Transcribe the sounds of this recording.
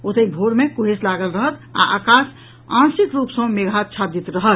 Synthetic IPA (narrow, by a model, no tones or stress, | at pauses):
ot̪əibʱoɾmekoɦeslaɡəlɾəɦət̪a̰ʔakas | ãnsikɾupsə̃meɡʱat͡ʃʰad̪it̪ɾəɦət̪